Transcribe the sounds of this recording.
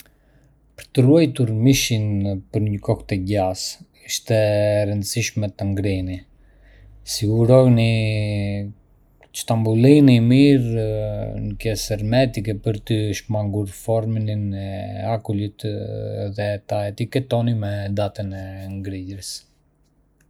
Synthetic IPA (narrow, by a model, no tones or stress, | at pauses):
pə̥ɾt̪əruɛjt̪uɾmiʃinpəɾɲəkɔxt̪ɛɟas | iʃt̪ɛɾənd̪əsiʃmɛt̪əŋɡɾini | siɡuɾɔjni | t͡ʃt̪ambulinimiɾ | nəkɛsɛɾmɛt̪ikɛpəɾt̪əʃmaŋɡuɾfɔɾmininɛakulit̪ðɛt̪aɛt̪ikɛt̪ɔnimɛd̪at̪ənɛŋɡɾiɟɾəs